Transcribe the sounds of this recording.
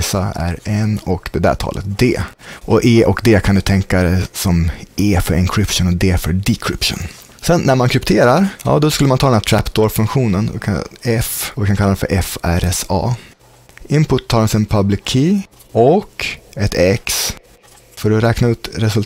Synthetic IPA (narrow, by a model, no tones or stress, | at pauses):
saæ̰ɾɛnɔkd̪ɛd̪æ̰t̪ʰɑ̰ːlʔə̰t̪̚d̪eːʔɔʔeːʔɔkd̪ɛːkʰand̪ɵt̪ʰɛŋkad̪ɛsɔmʔeːfœɾʔɪŋkʰɾɪpʂɔnɔd̪ɛfœɖɪkʰɾɪpʂɔ̰n | sɛnːæɾmankʰɾɪpt̪ʰeːɾaɾjɑ̰ːd̪ɔskɵlːəmant̪ʰɑd̪ɛnæʈʰɾæpd̪oːɾfɵŋkɧuːnən̰kʰaɛfɔvɪkʰankʰalːd̪ɛnfœ̰ɾʔɛfæɾɛsɑ̰ː | ʔɪmpʊt̪ʰːɑːɾɔnsɛnpʰablɪkʰːiː | ɔkɛt̪ʰɛks | fœɖɔɾɛːknaʉ̟ːt̪ɾɛsɵl